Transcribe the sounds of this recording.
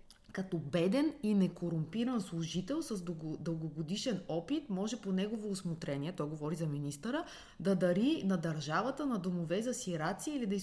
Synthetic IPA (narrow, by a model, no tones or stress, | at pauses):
kɐt̪ɔbɛd̪ɛninɛkoɾʊmpiɾɐnslˠʊʒit̪ɛlˠsɐzd̪d̪əlˠɡoɡod̪iʃɛnɔpit̪mɔʒɛponɛɡovoːsmot̪ɾɛniɛt̪ɔjɡovɔɾizɐminist̪əɾə | d̪ɐd̪ɐɾinɐd̪ɐɾʒavət̪ənɐd̪omovɛzɐsiɾat̪siəilid̪ɐi